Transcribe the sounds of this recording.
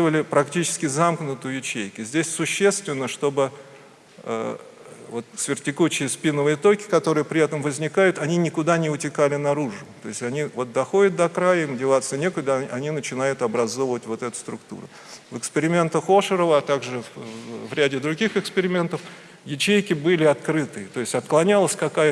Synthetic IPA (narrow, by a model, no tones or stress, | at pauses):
ɨvəlʲɪpɾɐktʲit͡ɕɪ̥skʲɪzamknʊt̪ɨjʊjɪt͡ɕejkʲɪzʲdʲesʲsʊɕːe̞st̪vʲɪnːəʂt̪o̞bɨ | ə̰ | vo̞t̪svʲɪrtʲɪkut͡ɕːɪjəspʲinəvɨjət̪o̞kʲɪ̥kɐt̪o̞ɾɨjəpɾʲɪɛt̪əmvəzʲnʲɪkajʊt̪ɐnʲinʲɪkʊd̪anʲɪʊtʲɪkalʲɪnɐɾuʐʊt̪o̞ɪsʲtʲɐnʲivo̞t̪̚d̪ɐxo̞dʲɪt̪̚d̪ɐkɾajəimdʲɪvˠat̪sənʲekəd̪əʔɐnʲinət͡ɕɪnajʊt̪ɐbɾɐzo̞vəvətʲvo̞t̪ɛt̪ʊ̥st̪ɾʊkt̪ṵɾʊ̰ | vɨkspʲɪɾʲɪmʲe̞nt̪əxo̞ʂɨɾəvəɐt̪aɡʐɨvɾʲædʲɪd̪ɾʊɡʲixɨkspʲɪɾʲɪmʲe̞nt̪əf | jɪt͡ɕejkʲɪbɨlʲɪɐt̪kɾɨt̪ɨjət̪o̞ɪsʲtʲɐt̪klˠɐnʲalˠəsʲkɐkajə